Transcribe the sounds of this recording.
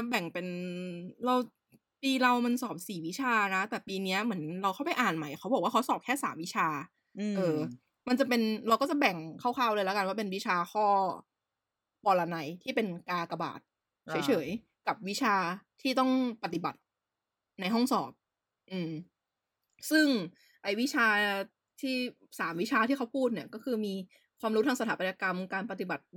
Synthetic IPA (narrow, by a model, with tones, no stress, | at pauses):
bɛ˨˩ŋpe˧n | ɾa˧w | piː˧ɾa˧wma˧nsɔː˨˩p̚siː˨˩wi˦˥t͡ɕʰaː˧na˦˥t̪ɛː˨˩piː˧ni˦˥ɐmɯ˩˦nɾa˧wkʰa˥˩wpa˧˨jʔaː˨˩nma˩˦jkʰa˦˥bɔ˨˩k̚waː˥˩kʰsɔː˨˩p̚kʰɛː˥˩saː˩˦mwi˦˥t͡ɕʰaː˧ | ʔɤː˧ | ma˧nt͡ɕa˨˩pe˧nɾa˧wkɔː˥˩t͡ɕa˨˩bɛ˨˩ŋkʰa˥˩wxʰaː˥˩wlɤː˧jlɛ˦˥ka˧waː˥˩pe˧nwi˦˥t͡ɕʰaː˧xʰɔː˥˩ | pɔː˧la˧na˧jt̪ʰiː˥˩pe˧nkaː˧ka˧ba̰ː˨˩t̪̚ʰ | ɤː˩˦jt͡ɕʰɤː˩˦j | ka˨˩p̚wi˦˥t͡ɕʰaː˧t̪ʰiː˥˩t̪ɔ˥˩ŋpa˧˩t̪i˨˩ba̰˨˩t̪̚ | na˧jɦɔ˥˩ŋsɔ̰ː˨˩p̚ | ʔɯː˧˩m | sɯ˥˩ŋ | ʔa˧jwi˦˥t͡ɕʰaː˧ | t̪ʰiː˥˩ | saː˩˦mwi˦˥t͡ɕʰaː˧t̪ʰiː˥˩kʰa˦˥wpʰuː˥˩t̪̚ni˥˩ɐkɔː˥˩kʰɯː˧miː˧ | kʰwaː˧mɾu˦˥t̪ʰa˧sa˧aː˩˦pa˧nja˧ka˧mkaː˧npa˧t̪i˨˩ba˨˩t̪̚